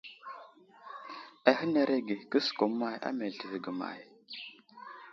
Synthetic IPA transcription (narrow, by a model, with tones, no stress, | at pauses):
a˨hə˦ne˨ɾe˦ɡi˨kə˦sko˨˦mːa˦ja̰˦me˨ltə˨vi˨ɡə˨ma̰˨j